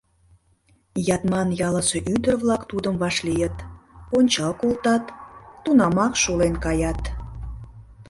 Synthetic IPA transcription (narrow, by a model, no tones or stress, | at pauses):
jɑt̪mɑnjɑləʃeʔyd̪ərβlɑkt̪ud̪əmβɑʃlijət̪onʲt͡ɕɑlkolt̪ɑt̪ːunɑmɑkʃulenkɑjɑt̪